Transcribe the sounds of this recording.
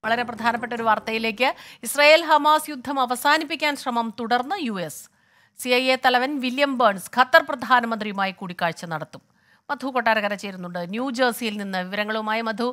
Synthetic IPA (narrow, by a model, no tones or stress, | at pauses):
ʋɐɭɐɾe̞prɐd̪ʱaːnɐp̬ːe̞ʈːo̞ɾuʋart̪ɐjile̞ːk̬ʲːɨisrɐːje̞ːlɦɐmaːsjud̪ʱːɐmɐʋɐsaːnipːikʲːaːnɕrɐmɐmt̪uɽɐrnːɨjuesː | iɐjet̪ɐlɐʋɐnʋiljɐmbɐːɳskʰɐt̪ːɐrprɐd̪ʱaːnɐmɐnd̪rijumaːjikuːɽikʲːaːɻt͡ɕːɐnɐɽɐt̪ːum | mɐd̪ʱukoʈːaːɾɐɣɐɾɐt͡ɕe̞jɾunːuɳɖɨnjuːd͡ʑɐrsijilninːɨʋiʋɐɾɐŋːɐɭumaːjimɐd̪ʱu